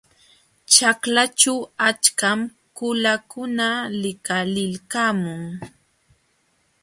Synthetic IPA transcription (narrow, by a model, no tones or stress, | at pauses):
t͡ʃaklat͡ʃawat͡ʃkam | kʊlakʊnalɪkalɪlkamʊŋ